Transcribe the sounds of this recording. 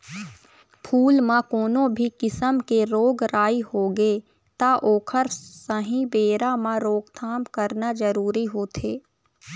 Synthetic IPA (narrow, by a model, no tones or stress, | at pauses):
pʰuːlmãkoːnõbʱikɪsəmkeɾoːɡɾaːihoːɡe | t̪aʔoːkʰəɾsəɦĩbeːɾamãɾoːɡt̪ʰaːmkəɾnad͡ʒəɾuːɾiɦoːt̪ʰeː